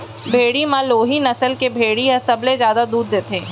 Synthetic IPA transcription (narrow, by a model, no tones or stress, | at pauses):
bʱeːɽimãloːɦinɐsəlkebʱeːɽiɐsɐblezjaːd̪ad̪uːd̪ːeːt̪ẽː